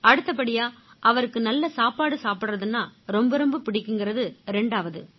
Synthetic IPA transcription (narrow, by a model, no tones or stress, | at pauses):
ɐɽɯt̪ːɐpːɐɽɪjaːʔɐʋɐɾɯkːɯnɐlːɐsaːpaːɽɯsaːpɪɽrɐðɯnːaːɾɔmbɐɾɔmbɐpɪɽɪkʲːɯŋɡɪɾɐðɯɾɛɳɖaːʋɐðɯ